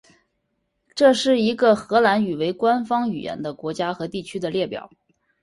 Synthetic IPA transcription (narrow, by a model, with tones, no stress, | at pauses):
ʈ͡ʂɤ˥˧ʂɻ̩˥˩i˧˥ɡə˧xɤ˧˥la˧˥ny˨˩we˧˥ɪkwa˥nfɑ˥ŋy̰˨˩jɛ̰˧˥nd̪ə˧kwɔ˧˥t͡ɕja˥xɤ˧˥t̪i˥˩t͡ɕʰy˥d̪ə˨ljɛ˥˩pjɑ̰˨˩˦ʊ